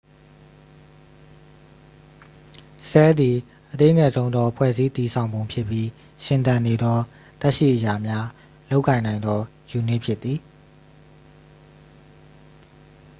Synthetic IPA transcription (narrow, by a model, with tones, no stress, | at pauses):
sɛ˦d̪i˨ | ʔət̪e˦˨ʔŋɛ˨zõ˦ʊ̃nd̪ɔ˦ʔəpʰwɛ̰˦˨zi˦t̪i˨sʰã˨ʊ̃mbõ˨ʊ̃pʰjɪ˦pːji˦ | ʃɪ̃˨t̪ã˨ne˨d̪ɔ˦ | t̪ɛ˦ʔʃḭ˦˨ʔəja˨mja˦ | lo˦ʊʔkːã˨ɪ̃nã˨ɪ̃nd̪ɔ˦ | ju˨nɪ˦ʔpʰjɪ˦t̪ːði˨